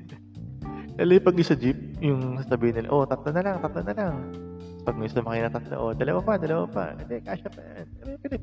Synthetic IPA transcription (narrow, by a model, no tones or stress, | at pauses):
d̪alojpɐɡɪsɐd͡ʒɪp̚jʊŋsasɐbiːhɪnːɪla̰ʔo̞t̪ɐt̪lɐnɐlaŋt̪ɐt̪lɐnɐlaŋpɐɡ̚misɐnmɐkɪnat̪ɐt̪lɐ̰ʔod̪ɐlɐwapad̪ɐlɐwa̰pɐ̰ɐd̪ɛka̰ːʃɐpɐjanɛɾokɪd̪ɪ